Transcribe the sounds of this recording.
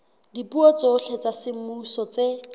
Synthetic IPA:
dipuɔt͡soɬʰet͡sasɪm̩musɔt͡se

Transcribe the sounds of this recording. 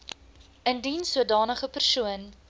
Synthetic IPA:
əndinsuədɑːnəχəpərsuən

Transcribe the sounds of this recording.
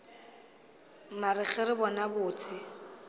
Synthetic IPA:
maɾɪχɛɾɪbɔnabʊːt͡sʰɪ

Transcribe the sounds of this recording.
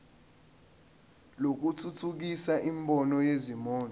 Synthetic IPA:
lok̬utʰutʰuk̬isaʔimbʱɔnɔjezimɔːn

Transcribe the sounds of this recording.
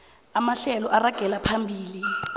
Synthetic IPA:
amaɬɛlɔʔaraɡ̥ʱɛlapʰambʱiːli

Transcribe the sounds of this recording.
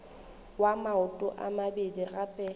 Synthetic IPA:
wamaʊtʼʊ̰ʔa̰mabedirapʼɛ

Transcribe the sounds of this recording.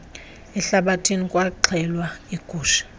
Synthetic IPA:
ɛɬaɓatʰinikʼwaǃʰɛlwaiɡ̥ʱuːʃḁ

